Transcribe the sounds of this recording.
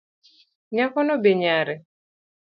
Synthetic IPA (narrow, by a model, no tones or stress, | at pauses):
ɲakɔnɔbeɲaɾɛ